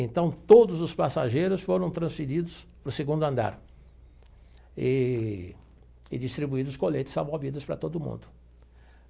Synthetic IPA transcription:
ẽnt̪ɐ̃w̃t̪od̪ʊzʊspasaʒejɾʊsfoɾɐ̃w̃t̪ɾɐ̃sfiɾid̪ʊspɾʊseɡũnd̪ʊɐ̃nd̪a̰ɾ | ɪ | ɪ̰d͡ʒist̪ɾibuid̪ʊskolejt̪ɪsamovid̪ʊspɾɐt̪od̪ʊmṵ̃nd̪ʊ

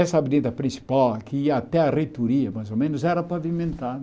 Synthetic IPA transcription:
ɛsɐabid̪ẽnt̪ɐpɾĩsi̥pawkɪiɐat̪ɛɐrejt̪oɾiɐmajzomẽnʊzɛɾɐpavimẽnt̪aɾ

